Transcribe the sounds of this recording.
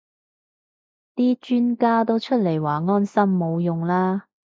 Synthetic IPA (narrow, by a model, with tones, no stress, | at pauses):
t̪iː˥t͡ʃyː˥nkaː˥t̪o˥wt͡ʃʰɵ˥t̚le˨˩jwaː˨˩ŋɔː˥nsɐ˥mːo˨˧wjʊ˨ŋlaː˥